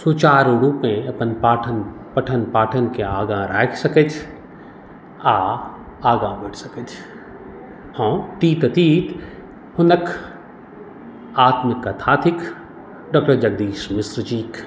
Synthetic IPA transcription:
sut͡ʃaːɾɾuːpẽɐpənpaːʈʰənpɐʈʰənpaːʈʰənkeaːɡãːɾaːksɐkəd͡ʒ | aː | aːɡãːbɛʈʰsɐkəd͡ʒ | hõːʈiːt̪ɐt̪iːt̪ | hʊnəkʰ | aːt̪mɪkːɐt̪ʰaːt̪ʰɪk | ɖɔːk̚ʈəɾd͡ʒɐɡ̚d̪iːsmɪsɾd͡ʒiːk

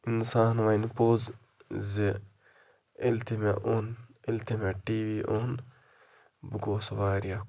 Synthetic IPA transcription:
insaːnʋainpoːz | zi | ilt̪ʰimeʔonilt̪ʰimeʈiːʋiːʔoːn | buɡoːsɐʋaːɾija

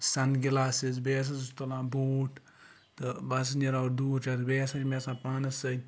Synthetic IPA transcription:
sɐnɡilaːsizbeːs̬ɐzst̪ɐlãːboːʈ | t̪ɨbɐsɐnɐɾaɾd̪uːɾt͡ʃaːt̪beːsɐt͡ʃʲmesãːpaːnɐsɐ

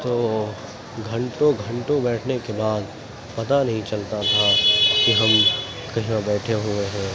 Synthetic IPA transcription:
t̪oː | ɡʱɐ̃ɳʈõɡʱɐ̃ɳʈõbɛːʈʰnekebaːd̪ | pɐt̪anɐɦĩt͡ʃɐlt̪at̪ʰakiɦɐm | kɐɦãbɛːʈʰeɦʊeɦɛ̃ː

